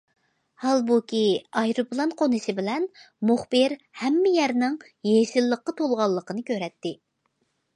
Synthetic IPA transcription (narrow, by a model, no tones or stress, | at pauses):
hɑlˠbukʲʰiɑjɾuplˠɑnqʰonɨsɪbɪlɛn | mʊχbɨɾhɛmːɪjæɾnɪŋ | jeʃɪlːəqːɑt̪ʰolˠʁɑlˠːəqənɨkʲøɾɛt̪ːɪ